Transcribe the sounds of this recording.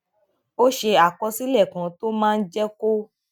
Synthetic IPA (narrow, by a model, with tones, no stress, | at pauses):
o˦ʃe˧a˨kɔ˧si˦lɛ˦˨kã˨to˦mãː˦˧n̩˦d͡ʒɛ˦ko˦